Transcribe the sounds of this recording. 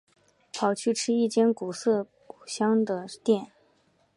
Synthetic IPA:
pʰɑ˨˩ʊt͡ɕʰy˥˩ʈ͡ʂʰɻ̩˥i˥˩t͡ɕjɛ˥nku˨˩sɤ˥˩ | u˨˩ɕjɑ˥ŋd̪ə˨t̪jɛ˥˩n

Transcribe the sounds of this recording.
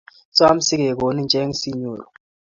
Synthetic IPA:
swa˦m̩˦si˦k̬ɛ˨k̬o˨ni˦nd͡ʒʱɛ˦ŋi˦si˦ɲuː˨lɔ˨

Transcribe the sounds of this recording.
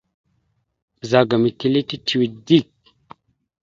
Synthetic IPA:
za˨ɡa˨mi˨ti˨li˦ti˦tʰi˨wi˨di˦˨k̚

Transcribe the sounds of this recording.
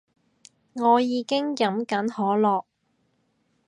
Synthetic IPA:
ŋɔː˨˧jiː˨˧kɪ˥ŋjɐ˨˥mkɐ˨˥nhɔː˨˥lɔː˨k̚

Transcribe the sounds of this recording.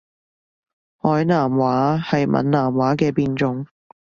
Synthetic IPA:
hɔː˨˥jnaː˨˩mwaː˨˥hɐ˨jmʔɐ̰˨nnaː˨˩mwaː˨˥kɛː˧piː˧nt͡ʃʊ˧ŋ

